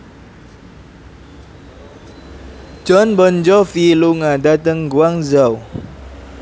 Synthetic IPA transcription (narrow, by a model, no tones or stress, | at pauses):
d͡ʒɔnbɔnd͡ʒɔfiluŋadat̪əŋɡwaŋzaw